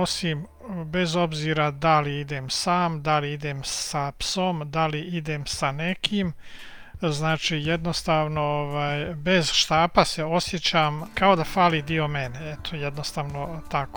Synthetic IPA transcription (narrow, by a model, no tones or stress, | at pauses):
osim | be̞zo̞bziːɾad̪aliid̪emsaːmd̪aliid̪emsapsomd̪aliid̪emsane̞kʰiːm | znaːt͡ʃiːjed̪nost̪aːʋno̞oʋaːjbe̞zʃt̪aːpase̞o̞sjet͡ɕaːmkaod̪afaːlid̪iomeneet̪ʰojed̪nost̪aːʋnot̪ako̥